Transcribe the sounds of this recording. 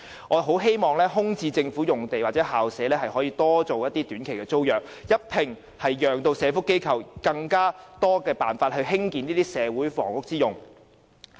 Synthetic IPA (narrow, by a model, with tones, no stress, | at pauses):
ŋɔː˨˧ɦo˨˥wɦe˥jmɔː˨˩ŋlɛː˥ɦʊ˥ŋt͡siː˧t͡sɪ˧ŋfuː˨˥jʊ˨ŋt̪e˨jwaː˨t̚t͡sɛː˨˥haː˨˩wsɛː˨˥lɛː˥ɦɐ˨jhɔː˨˥jiː˨˧t̪ɔː˥t͡so˨wjɐ˥t̪̚iː˥t̪yː˨˥nkʰe˨˩jkɛː˧t͡so˥wjœː˨˩k̚jɐ˥t̚pʰɪ˨˩ŋ | hɐ˨jːœː˨˩ŋt̪o˧wsɛː˨˧fʊ˥kːe˥jkʰɐ˨˩wkɐ˧ŋkaː˥t̪ɔː˥kɛː˧paː˨nfaː˧t̚hɵ˧ɥɦɪ˥ŋkiː˨niː˥t̪iː˥sɛː˨˧wuː˨˥jfɔ̰ː˨˩ŋfʊ˥k̚t͡siː˥jʊ˨˩ŋ